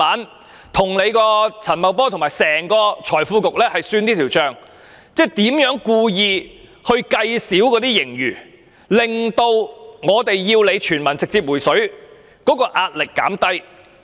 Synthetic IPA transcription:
aː˨˥n | t̪ʰʊ˨˩ŋle˨˧jkɔː˧t͡sʰɐ˨˩nmɐ˨˧wpɔː˥t̪ʰʊ˨˩ŋmaː˨jsɛː˨˩ŋkɔː˧t͡ʃʰɔː˨˩jfuː˧kʊ˨k̚lɛː˥hɐ˨jsyː˧nt̪iː˥t̪ʰiː˨˩wt͡ʃœː˨˧ŋ | t͡sɛː˥t̪iː˨˥mjœː˨˥ŋkuː˧jiː˨˧ | hɵ˧ɥkɐ˧jsiː˨˥wkɔː˨˥t̪iː˥jɪ˨˩ŋjyː˨˩ | lɪ˨˩ŋt̪o˧wŋɔː˨˧t̪e˨jːiː˧wle˨˧jt͡ʃʰyː˨˩nmɐ˨˩nt͡sɪ˨k̚t͡siː˧p̚wuː˨˩jsɵ˨˥ɥ | kɔː˨˥kɔː˧ʔaː˧t̚lɪ˨kːa̰ː˨˥mt̪ɐ˥j

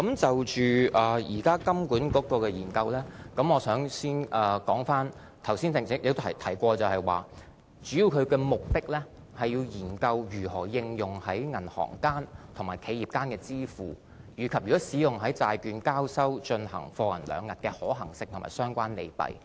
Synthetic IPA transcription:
kɐ˨˦mt͡sɐ˨wt͡ʃyː˨ʔɐː˨jiː˨˩kaː˥kɐ˥mkuː˨˥nkɔː˨˥kɔː˧kɛː˧jiː˨˩nkɐ˧wlɛː˥kɐ˨˥mɔː˨˧sœː˨˥ŋsiː˥nʔɐ˨kɔː˨˥ŋfaː˥n | t̪ʰɐ˨˩wsiː˥nt͡sɪ˨ŋsɪ˨˥k̚jɪ˨˧ɐ˨˩t̪ʰɐ˨˩jkʷɔː˧t͡sɐ˨whɐ˨jwa̰ː˨ | t͡ʃyː˨˥jiː˧wkʰɵ˨˧ɥkɛː˧mʊ˨k̚t̪ɪ˥k̚lɛː˥ | hɐ˨jːiː˧wjiː˨˩nkɐ˧wjyː˨˩hɔː˨˩jɪ˧ŋjʊ˨˩ŋhɐ˨˥jŋɐ˨˩nhɔ̰ː˨˩ŋkaː˥nt̪ʰʊ˨˩ŋmaː˨˩jkʰe˨˧jiː˨p̚kaː˥nkɛː˧t͡siː˥fuː˨˩ | jyː˨˩kʰɐ˨p̚jyː˨˩ɔ˨˥siː˨˥jʊ˨ŋɦɐ˨˥jt͡saː˧jkyː˨˧nkaː˥wsɐ˥wt͡ʃɵ˧nhɐ̰˨˩ŋfɔː˧ŋɐ˨˩nlœ̰ː˨˧ŋːɐ˨t̚kɛː˧hɔː˨˥ɦɐ̰˨˩ŋsɪ˧k̪̚ʰʊ˨˩ma̰ː˨˩jsœː˥ŋkʷaː˥nle˨˧jpɐ̰˨j

